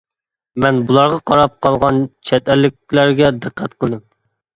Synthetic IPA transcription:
mɛnbulˠɑɾʁɑqʰɑɾɑp̚qʰɑlˠʁɑnt͡ʃʰɛt̪ɛlːɪk̚ʲlæɾɡʲɛd̪ɨqʰːɛt̪qʰəlˠd̪ɨm

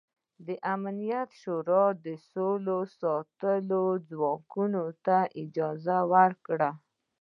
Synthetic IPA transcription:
d̪əʔamnijat̪ʃoɾɑd̪əsolosɑt̪əlod͡zwɑkunot̪aʔɪd͡ʒɑzawaɾkɽa

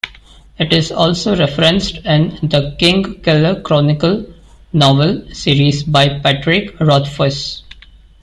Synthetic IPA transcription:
ɪʈɪzɔːlsoːɾɛfəɾə̃nsʈɪ̃nd̪əkɪ̃ŋɡkɪləɾkɾɔːnɪkəl | nɔːʋəlsiːɾizbaɪpæʈɾɪkɾɔːt̪fəɾs

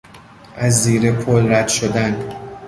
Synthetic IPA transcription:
ʔæzːiːɾepʰolɾæd̪̥ʃod̪æn

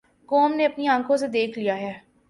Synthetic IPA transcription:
koːmneɐpniãːkʰõsed̪eːkʰlijaɦɛː

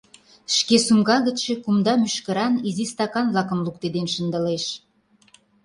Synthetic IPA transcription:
ʃkesumɡɑɣə̆ʃekumd̪ɑmyʃkə̆ɾɑnizist̪ɑkɑnβlɑkə̆mlukt̪ed̪enʃə̆nd̪ə̆leʃ

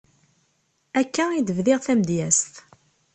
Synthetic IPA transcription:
ækːæid̪əvðɪʁθæmd̪jæst̪

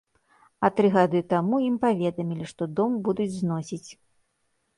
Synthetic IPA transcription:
ɐt̪ɾɨɣad̪ɨt̪amuimpavʲɛd̪ɐmʲilʲiʂt̪ɔd̪ɔmbud̪ud͡zʲznɔsʲit͡sʲ

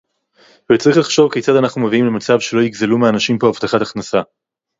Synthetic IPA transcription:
vet͡saʁiχlaχʃo̞vke̞jt͡sadanaχnume̞viimle̞mat͡savʃe̞lo̞jiɡzelumeanaʃimpo̞avt̪aχat̪aχnasa

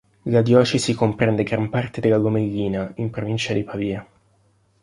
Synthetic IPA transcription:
lad̪jɔːt͡ʃesikompɾɛnd̪eɡɾampart̪ed̪elːaɡomeʎːiːnaimpɾovint͡ʃad̪ipaviːa

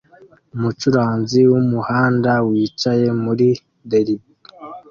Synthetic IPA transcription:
umut͡ʃuɾaːnziwumuhaːndawiːt͡ʃaje̞muɾi | deɾibi

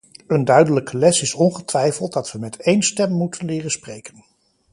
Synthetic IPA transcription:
əndœɥdələkəlɛsɪsɔnχətʋɛjfəlˠt̚dɑtʋəmɛtejnstɛmːutʰənlɪːrənsprejkən

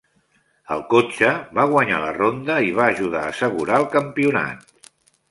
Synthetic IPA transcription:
ə̰lˠkot͡ʃəβaɣwəɲa̰lərond̪əiβ̞aːʒuð̞aəsəɣuɾaəlˠkəmpiuna̰t̪̚

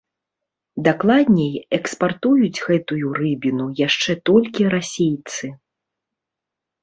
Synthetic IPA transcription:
d̪aklˠad̪ʲnʲɛjɛkspart̪ujud͡zʲɣɛt̪ujuɾɨbʲinujaʂt͡ʂɛt̪ɔlʲkʲiɾasʲejt̪sɨ

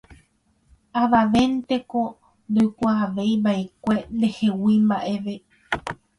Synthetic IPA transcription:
aʋaʋe̞nt̪e̞ko̞ | nd̪ojkʷaːʋe̞jbaekʷe̞nd̪e̞he̞wimbaʔe̞ʋe̞

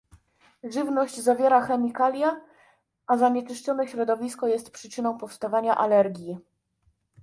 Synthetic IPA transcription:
ʐɘvnɔʑd͡ʑzavʲjɛɾaxɛmʲikalʲja | azaɲɛt͡ʂɘʂt͡ʂɔnɛɕɾɔd̪ɔvʲiskɔjɛst̪̚pʂɘt͡ʂɘnɔ̃w̃pɔfst̪avaɲaʔalɛɾɡʲi

